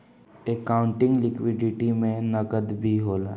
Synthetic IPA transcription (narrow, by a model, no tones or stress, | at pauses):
ekaːʊ̃ɳʈɪ̃ŋɡlɪkʋɪɖɪʈimẽnəkəd̪bʱiɦoːlaː